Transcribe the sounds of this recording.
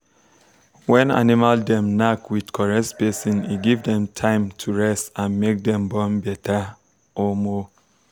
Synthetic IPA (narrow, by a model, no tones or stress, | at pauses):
wɛ̃na̰nimaldɛ̃mnakwidkʰɔɹɛsbesĩniɡivdɛ̃mtʰãɪ̃mtʰuɹɛstãnmek̚dɛ̃mbɔ̃nbɛtʰa | ɔmɔ